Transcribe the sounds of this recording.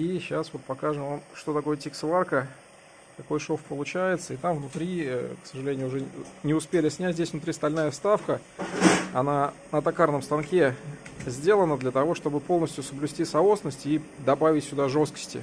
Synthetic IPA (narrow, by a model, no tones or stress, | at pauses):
iɕasvo̞t̪̚pɐkaʐɨmvamʂt̪o̞t̪ɐko̞jətʲiksvˠarkə | t̪ɐko̞jʂofpəlˠʊt͡ɕæjɪt̪səɪt̪amvnʊt̪ɾʲiksəʐɨlʲenʲɪjʊʊʐɛnʲɪʊspʲelʲɪsʲnʲætʲzdʲesʲvnʊt̪ɾʲist̪ɐlʲnajəfst̪afkə | ɐnanət̪ɐkarnəmst̪ɐnkʲezʲdʲe̞lˠənəd̪lʲət̪ɐvo̞ʂt̪o̞bɨpo̞lˠnəsʲtʲjʊsəblʲʊsʲtʲisɐosnəsʲtʲid̪ɐbavʲɪtʲsʲʊd̪aʐo̞skə̥sʲtʲɪ̰